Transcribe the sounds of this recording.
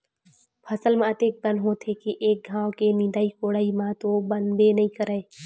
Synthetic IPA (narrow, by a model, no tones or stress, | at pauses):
pʰɐsəlmãɐt̪eːk̚bɐ̃nɦõt̪ʰekiʔeːk̚ɡʱãːwkenɪ̃nd̪aːikoːɽaːimãt̪obɐnb̪enɐɦĩkəɾəeː